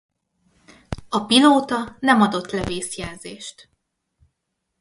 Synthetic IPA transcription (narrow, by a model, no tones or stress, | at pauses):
ɒpiloːt̪ɒnɛmɒd̪o̞t̪ːlɛveːsjɛlzeːʃt̪